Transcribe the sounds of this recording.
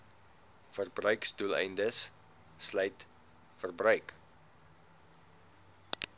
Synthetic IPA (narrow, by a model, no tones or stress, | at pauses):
fərbrœɥkstulɛ̰jndəsː | lœjt | fərbrœɥk